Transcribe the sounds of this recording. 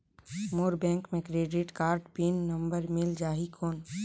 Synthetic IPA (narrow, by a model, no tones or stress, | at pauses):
moːɾbɛ̃ːŋkmẽkɾeːɖɪʈkaːɾɖpinːə̃mbəɾmɪld͡ʒaːɦikʰoːn